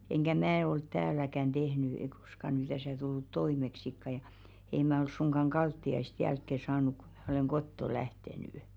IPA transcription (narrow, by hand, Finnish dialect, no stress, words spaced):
enkæ mæː olt tæːlækæn d̥ehny ei ko̥skɑ ny tæsæˑ tulːut toimeksikːɑ jɑ ei mæ ol suŋɡ̊ɑŋ ɡ̊ɑltːiɑist jælkːe sɑːnuk ku̥ m̥æ̥ oleŋ kotːo læhtenyˑ